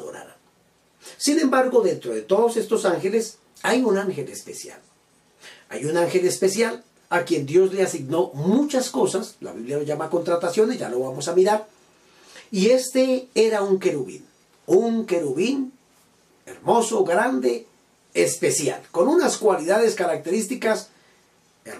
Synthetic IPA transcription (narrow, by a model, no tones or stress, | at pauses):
o̰ɾa̰ɾa | sinẽ̞mbaɾɣo̞ðe̞nt̪ɾo̞ðe̞t̪o̞ðose̞st̪o̞saŋxe̞le̞s | ajunaŋxe̞lespesja̰l | a̰junaŋxe̞lespe̞sjal | akje̞nd̪jo̞zle̞asiɣno̞mut͡ʃasko̞sasla̰βiβljanozʝamako̞nt̪ɾat̪asjo̞nezʝa̰lo̞βamo̞samiɾaɾ | ie̞st̪ee̞ɾauŋkeɾuβḭn | uŋkeɾuβin | eɾmo̞soɡɾand̪e̞ | espesja̰lko̞nunaskwaliðaðe̞skaɾak̚t̪e̞ɾist̪ikas | e